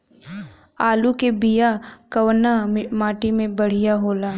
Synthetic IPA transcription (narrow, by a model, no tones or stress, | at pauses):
aːlukebijakɐwnamaːʈimẽbɐɽ̤ijaɦoːlaː